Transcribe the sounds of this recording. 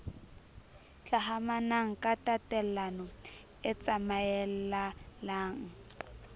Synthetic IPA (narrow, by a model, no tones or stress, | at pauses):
t͡ɬaɦamanaŋ̩kʼatatɛllanɔ | ɪt͡sʼamaɛl̩lalaːŋ̩